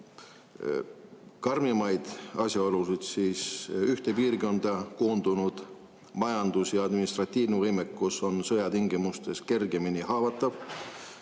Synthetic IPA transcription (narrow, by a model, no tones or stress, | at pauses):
kɑrmimɑjd̪̥ɑsʲjɑolusid̪̥siːsyht̪epiːrko̞nd̪ɑko̞ːnd̪unud̪̥ | mɑjɑnd̪̥usjɑɑd̪minist̪rɑt̪ʲːiːvnevɤjmekːuso̞nsɤjɑt̪iŋɡ̥imust̪e̞ske̞rɡ̥e̞minihɑːvɑt̪ːˑɑv̥